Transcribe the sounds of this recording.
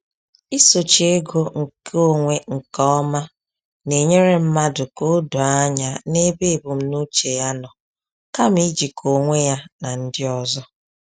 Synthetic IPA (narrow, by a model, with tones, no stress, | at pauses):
i˦so˨t͡ʃi˨e˦ɡo˦ŋ̩˨kʰo˦ŋʷe˦ŋ̩˨kɔ˦ɔ˦ma˦ | ne˨ɲe˦ɾe˦m̩˦ma˦dʊ˨ko˦du˨a˦ɲa˨ne˦be˦e˨bu˨m̩˦nu˦t͡ʃe˨ja˦nɔ˨ | ka˦m̩˦i˦d͡ʒi˨kʰo˨ŋʷe˦ja˦na˨n̩˦dɪ˦ɔ˨zɔ˦